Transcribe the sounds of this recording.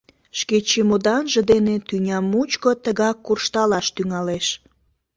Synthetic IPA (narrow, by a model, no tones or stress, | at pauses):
ʃket͡ɕemod̪ɑnʒĕd̪enet̪ynʲɑmːut͡ɕkot̪əɣɑkːurʃt̪ɑlɑʃt̪yŋɑleʃ